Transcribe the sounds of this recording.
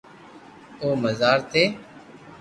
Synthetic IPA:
oːməzaːɾt̪ʰeː

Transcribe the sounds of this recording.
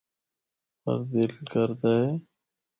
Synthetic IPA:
pə̰ɾd̪ɪlkəɾd̪ae

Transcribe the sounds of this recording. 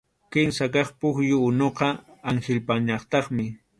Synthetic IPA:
kɪnsakɑχpʊxjʊːnoqɑaŋxɪlpaɲɑχt̪ɑχmɪ

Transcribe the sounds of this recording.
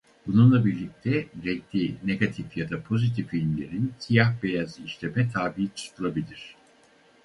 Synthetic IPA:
b̥ununlˠabiɾlʲic̚t̪ʰɛɾɛc̚lʲineɡat̪ʰifjad̪apʰo̞zit̪ʰifilʲmlʲe̞ɾinsijahbejaziʃlʲemɛt̪ʰaːbiit͡ʃʰɯ̥st̪ʰɯlˠabilʲiɾ̝̥

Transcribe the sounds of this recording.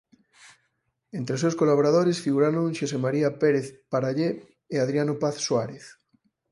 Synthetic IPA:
ent̪ɾeos̬ewskolaβoɾaðoɾesfiɣuɾaɾoŋʃosemaɾiapeɾeθpaɾaʎeː | aðɾjanopaθswaɾeθ

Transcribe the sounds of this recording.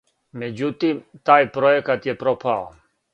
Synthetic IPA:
med͡ʑut̪imt̪aːjpɾoekat̪jepɾopʰao

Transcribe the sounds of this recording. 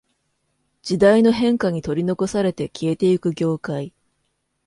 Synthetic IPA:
d͡ʑid̪aino̞ɦẽ̞ŋkaɲ̟it̪o̞ɾʲino̞ko̞saɾe̞t̪e̞kʲie̞t̪e̞ikɯ̟ɡʲo̞ːkai

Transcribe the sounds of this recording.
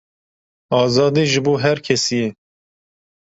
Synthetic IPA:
ɑːzɑːd̪iːʒɨbuːɦɛɾkʰɛsijɛ

